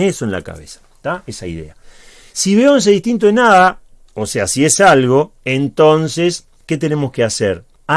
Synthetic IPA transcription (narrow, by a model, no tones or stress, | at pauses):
esoenla̰ka̰βesḁt̪aesaḭðe̞̰a | siβeoens̬eðiht̪int̪̬oenaða | ose̞asie̞salɣo̞ent̪o̞nses | ke̞t̪e̞ne̞mo̞skeaseɾ | a